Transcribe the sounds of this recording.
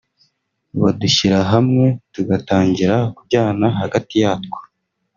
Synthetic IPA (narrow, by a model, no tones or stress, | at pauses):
βaduçiɾaɦamŋe̞tuɡataːɲɟiɾakubɟaːnaɦaɡatijaːtko̥